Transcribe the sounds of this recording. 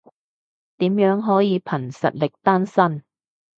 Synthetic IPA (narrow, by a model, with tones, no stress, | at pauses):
t̪iː˨˥mjœː˨˥ŋɦɔː˨˥jiː˨˧pʰɐ˨˩nsɐ̰˨t̚lɪ˨k̚t̪aː˥nsɐ˥n